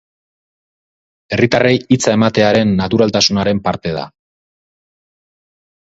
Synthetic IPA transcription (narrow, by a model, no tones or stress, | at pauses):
e̞rit̪arejit͡sae̞mat̪e̞aɾe̞nːat̪uɾalt̪asunaɾe̞mpaɾt̪e̞ð̞a̰